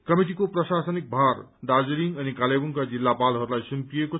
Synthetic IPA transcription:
kʌmiʈ̬ikoprʌsasʌnik̚bʱar | d̪ad͡ziɾiŋʌnikalebuŋkad͡zilːapalɦʌɾulajsumpieko

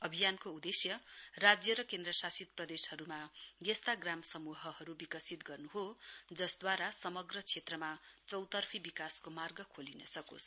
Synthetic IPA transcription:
ʌbʱijankoud̪esjʌrad͡zjʌɾʌkẽnd̪rʌsasit̪̚prʌd̪eshʌɾumaɡest̪aɡramsʌmuɦʌhʌɾubikʌsit̪ɡʌrnuɦod͡zʌsd̪waɾasʌmʌɡrʌt͡sʰet̪rʌmat͡sʌwt̪ʌrpʰibikaskomarɡʌkʰolinʌsʌko̰sʰ

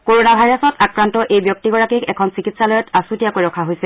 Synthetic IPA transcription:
koɹonabʱajɹasɔtakɹantɔʔejbjɔk̚tiɡɔɹakikɛkʰɔnsikitsalɔjɔtasutijakojɹɔkʰaɦojsɛ

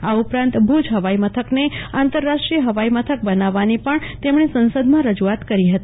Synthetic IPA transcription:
aupɾãnt̪bʱud͡ʒʱɦəʋaimət̪ʰəkneãnt̪əɾːaʂʈɾiəɦəʋaimət̪ʰək̚bənaʋanipəɳt̪emɳ̃esənsəd̪ʱmãɾəd͡ʒuat̪kəɾiɦət̪i

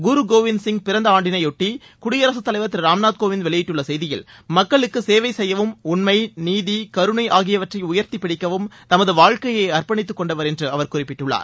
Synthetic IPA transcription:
ɡʊɾuɡoːʋɪnsɪŋɡpɪɾɐnd̪ɐaːɳɖɪnɐɪɔʈːi | kʊɽɪjɐɾɐsɯt̪ːɐlɐɪʋɐt̪ːɪlɾaːmnaːt̪̚koːʋɪnʋɛɭɪjɪʈːɯɭːɐsɛjðɪjɪ̰lmɐkːɐɭɯkːɯseːʋɐɪsɛjːɐʋɯmʊnmɐɪniːðikɐɾɯɳɐɪʔaːɣɪjɐʋɐʈrɐɪʊjɐɾt̪ipːɪɽɪkːɐʋɯmt̪ɐmɐðɯʋaːɻkɐjeɪɐrpɐɳɪt̪ːɯkːɔɳɖɐʋɐɾɛndrɯɐʋɐɾkʊrɪpːɪʈːɯɭːa̰ːɾ

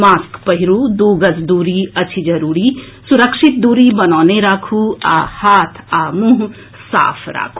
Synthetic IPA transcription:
maːskpəɦiɾud̪uːɡəzd̪uːɾiɐt͡ʃʰid͡ʒɐɾuːɾi | suɾəkʃit̪̚d̪uːɾibɐnaːneɾaːkʰuaːhaːt̪ʰaːmũɦ | sa̰ːpʰɾa̰ːkʰu

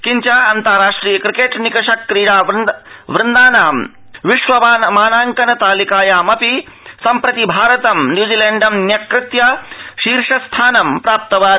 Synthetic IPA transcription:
kiɲt͡ʃaːɐnt̪ɐɾaːʂʈɾiːjɐkɾikeːʈnikɐʃɐkːɾiːɽaːʋʋɾɪnd̪aːnaːɐm | ʋiʃʋɐmaːnɐmaːnaːŋkɐnɐt̪aːlikaːjaːmɐpi | sɐmpɾɐt̪ibʱaːɾɐt̪ɐmnjuːd͡ʒiːleːɳɖɐmnjɐkɾɪt̪jaʃiːɾʂɐst̪ʰaːnɐmpɾaːp̚t̪ɐʋaː

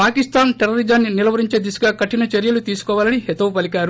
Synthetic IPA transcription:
paːkist̪aːnʈeɾɐɾid͡ʒɐnːinilɐʋɐɾiɲt͡ʃeːd̪isu̥ɡaːkɐʈːinɐt͡ʃeɾjɐlut̪iːsu̥kɔːʋaːlɐniɦet̪ɐʋupɐlikaːɾu

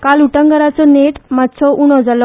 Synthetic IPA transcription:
kaluʈəŋɡəɾat͡sɔneʈmat̪sʰɔʔuɽ̃ɔd͡zalɔ

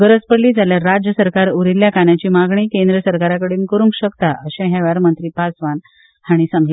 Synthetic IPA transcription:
ɡəɾət͡spəɽliːd͡zʱaljaɾːad͡ʑjəsəɾkaɾuɾilːjakanjat͡ɕiːmaɡɳiːkẽnd̪ɾəsəɾkaɾakəɽiːnkəɾũŋkɕəkt̪aʔəɕãɦjaʋaɾmənt̪ɾiːpasʋan | haɽ̃isãŋɡle

